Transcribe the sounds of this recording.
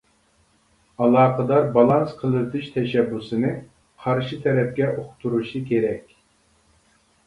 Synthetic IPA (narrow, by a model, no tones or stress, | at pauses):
ɑlˠɑːqʰəd̪ɑɾbɑlˠɑnsqʰəlˠɨd̪ɨʃt̪ʰɛʃɛbːusɨnɨ | qʰɑɾʃɨt̪ʰɛɾɛp̚kʲɛʔoχt̪ʰuɾuʃɨkʲʰeɾɛkʲ